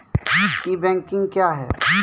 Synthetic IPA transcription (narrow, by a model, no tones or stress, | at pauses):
kibɛ̃ːŋkɪ̃ŋɡkjaːɦɛ̰ː